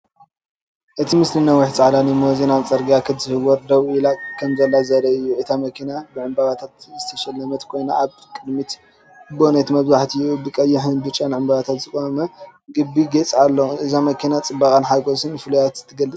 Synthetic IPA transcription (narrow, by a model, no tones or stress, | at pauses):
ʔɨt̪ʰimɨslɨnawʊħt͡sʼaʕlanimozinawt͡sʼɐɾɡiakʰɨzɨhɨwɔɾd̪ɐβɨlakʰɐmzɐlːazɐɾɐɨjːuʔɨt̪ʰamɐkʰinabɨʕɨmbaβat̪ʰat̪zɨt̪ʰɐʃɐlːɐmɐt̪kʰo̞jnaʔaβkʼɨd̪mit̪ | bonɐt̪mɐβzaħt̪ʰɨjːubɨkʼɐjːɪħɨnbɨt͡ʃʼːanʕɨmbaβat̪ʰat̪zɨkʼamɐɡɨbːiɡɐt͡sʼalːɐɨzamɐkʰinat͡sʼɨbːakʼanħaɡosɨnfɨlujat̪zɨ̥t̪ʰːɐɡɐlːɨt͡sʼ